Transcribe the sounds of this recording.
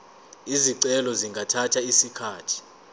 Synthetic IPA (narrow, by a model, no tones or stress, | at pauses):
iziǀɛlɔziŋɡʱatʰatʰaisikʰaːtʰi̥